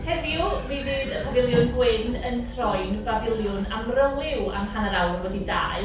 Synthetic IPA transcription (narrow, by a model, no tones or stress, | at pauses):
hɛviuvivɨːdəpʰavɪlˠjʊnɡwɪnəntʰrɔjnvavɪlˠjʊnamrəlˠɪwa̰mpʰanəɾawrnvɔdida̰ːɨ